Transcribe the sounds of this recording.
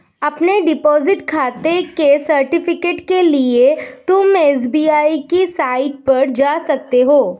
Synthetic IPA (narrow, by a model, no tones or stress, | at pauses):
ɐpneɖɪpɔːzɪʈkʰaːt̪ekesɐɾʈɪfɪkeːʈkeliet̪ʊmeːs̬biːaːikisaːɪʈ̚pɐɾd͡ʒaːsɐk̚t̪eɦoː